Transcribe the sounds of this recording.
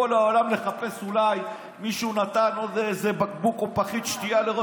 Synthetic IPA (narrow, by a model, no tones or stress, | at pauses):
olao̞lamle̞χape̞sulaj | miʃunat̪ano̞d̪ejzebakbukopaχit̪ʃt̪ialeʁo